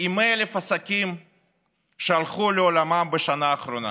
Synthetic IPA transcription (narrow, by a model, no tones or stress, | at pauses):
imelefasakʲim | ʃealχuleolamambeʃanaːχɾona̰